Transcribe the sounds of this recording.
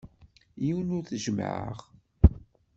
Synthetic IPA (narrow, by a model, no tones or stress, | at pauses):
jiwnʊɾθʒəm̰ʕə̰ʁ